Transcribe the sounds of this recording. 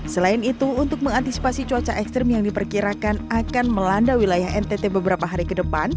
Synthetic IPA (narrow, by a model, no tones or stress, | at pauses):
səlaɪnit̪uːnt̪ʊk̚məŋant̪isi̥pasit͡ʃuat͡ʃaʔɛkst̪ɾɛmjaŋdipərkiɾakanakanməlandawilajaɦɛnt̪et̪ebəbəɾapaɦaɾikədəpan